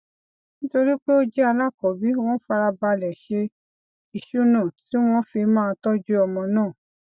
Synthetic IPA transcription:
nĩ˦to˧ɾi˦k͡pe˦o˦d͡ʒɛ˦a˧la˦˨kɔ˨bi˨˦w̃ɔ̃˦fa˧ɾa˧ba˧lɛ˨ʃe˧ | i˨ʃu˦nã˦˨ti˨˦w̃ɔ̃˦fi˧mã˦˧tɔ˦d͡ʒu˦ɔ˧mɔ̃˧nãː˦˨

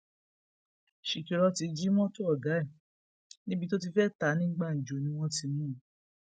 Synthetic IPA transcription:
ʃi˨ki˨ɾɔ˧ti˧d͡ʒi˦mɔ̃˦to˦ɔ˦˨ɡa˨˦ɛ˦˨ | nĩ˦bi˦˧to˦t̬i˧fɛ˦˨ta˨˦nĩ˦ɡ͡ba˦˨n̩˨d͡ʒo˨˦nĩ˧˦w̃ɔ̃˦ti˧mũ˦˨˦

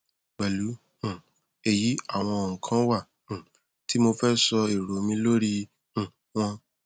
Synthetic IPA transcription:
k͡pɛ˨lu˨˦ | ũ˨ | e˧ji˨˦a˦˨w̃ɔ̃˧˨kʰã˦wa˦˨ | ũ˨ | ti˦mo˧fɛ˦sɔ˧i˨ɾo˨˦mĩ˧lo˦ɾi˧ | ũ˦˨ | w̃ɔ̃˧

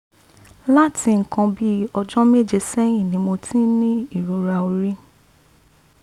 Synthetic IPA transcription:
la˦ti˧ŋ̩˨kã˧bi˦ɔ˧d͡ʒɔ̃˦me˦˨d͡ʒe˧sɛ˦ĩ˦˨nĩ˨mõ˧tĩ˦nĩ˦i˦˨ɾo˨ɾa˨˧o˧ɾi˦

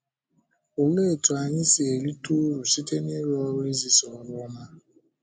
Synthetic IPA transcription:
o˨le˦˨tu˨a˨ɲɪ˦si˨e˨li˦tu˦ɾu˨si˦te˦ni˦ɾe˦ɔ˦we˦zi˨sɔ˨lʊ˦ma˦

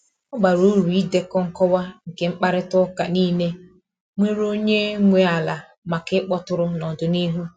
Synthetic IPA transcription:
ʊ˦ɡ͡ba˨ɾu˦ɾu˨i˦de˦kɔ˦ŋ̩˦kɔ˦wa˦ŋ̩˨ke˦ŋ͡m̩˦k͡pa˦ɾɪ˦tʊ˦ka˨niː˦ne˦ | ŋʷe˦ɾo˦ɲe˦ŋʷe˨a˨la˨ | ma˨kɪ˦k͡pɔ˦tʊ˦ɾʊ˦nɔ˨dʊ˨ni˦ɦu˦

